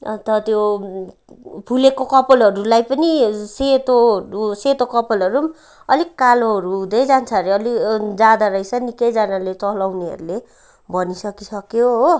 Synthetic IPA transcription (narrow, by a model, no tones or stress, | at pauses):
t̪ʌt̪jo | pʰulekokʌpʌlʌɾulajpʌniset̪oɾuset̪okʌpʌlʌɾu | ʌlikkaloɦʌɾuud̪ʌjd͡zant͡sʰaɾeʌlid͡zad̪aɾʌijsʰʌnikʌjd͡zanalet͡sʌlawniɦʌ̰ɾule | bʱʌnisʌkisʌkjoɦː